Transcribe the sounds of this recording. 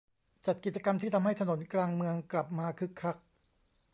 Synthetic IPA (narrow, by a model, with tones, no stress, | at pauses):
t͡ɕa˨˩t̪̚ki˨˩t̪̚t͡ɕa˧ka˧mt̪ʰiː˥˩a˧mɦa˥˩jt̪ʰa˧no˩˦nklaː˧ŋmɯ˧əŋkla˨˩p̚maː˧kʰɯ˦˥kʰːa˦˥˩k̚